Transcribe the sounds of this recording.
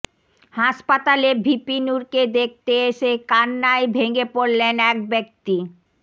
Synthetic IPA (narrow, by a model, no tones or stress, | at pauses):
haʃpat̪alebʱipinuɾked̪ek̚ʰt̪eeʃekanːaebʱeɡepoɾlenɛk̚bek̚t̪i